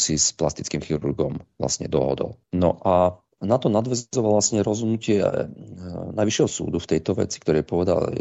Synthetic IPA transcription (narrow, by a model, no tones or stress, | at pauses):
sisplast̪i̥t͡skimxiɾuɾɡɔmʋla̰sɲɛ̰d̪ɔ̰ɦɔ̰d̪ɔ̰lnɔʔa | nat̪ɔnad̪ʋɛzzɔʋalʋasɲɛɾɔzɦɔd̪nucɪɛ̰ | najʋiʃjɛɦɔsṵːd̪uft̪ɛjt̪ɔʋɛ̰t͡si̥kt̪ɔɾɛjpɔʋɛd̪a̰l